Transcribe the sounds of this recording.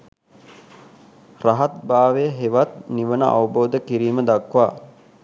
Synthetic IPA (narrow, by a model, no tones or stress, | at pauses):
raɦat̪̚baːʋejəɦeʋat̪̚niʋənəʔa̰ʋəboːd̪əkiɾiːməd̪akʋaː